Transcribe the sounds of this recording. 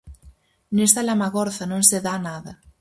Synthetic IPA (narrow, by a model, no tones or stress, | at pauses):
nest̪alamaɣɔɾθanõŋseðanaðɐ